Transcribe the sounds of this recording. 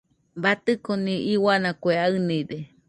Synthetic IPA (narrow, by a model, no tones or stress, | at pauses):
bat̪ɨkoniʔiwanakʷeaɨnide